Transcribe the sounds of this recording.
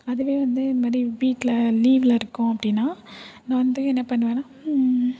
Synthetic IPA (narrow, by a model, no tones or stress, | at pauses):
ɐðɯʋeːʋɐnd̪ɯɪnd̪ɐmaːd̪ɾibiːʈlɐliːʋɪlɐɪɾɯkːʊ̃ɐpːɐɽɪnːaːnãːʋɐnd̪ɯɛnːɐpɐɳːɯʋẽːnaː